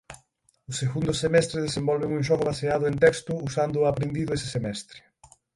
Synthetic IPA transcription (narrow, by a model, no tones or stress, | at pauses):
ʊseɣund̪ʊsemɛst̪ɾɪðesembɔlβeŋũŋʃ̬ɔɣʊβaseaðʊent̪ɛkst̪ʊusand̪ʊapɾend̪iðʊesɪ̥semɛst̪ɾɪ̥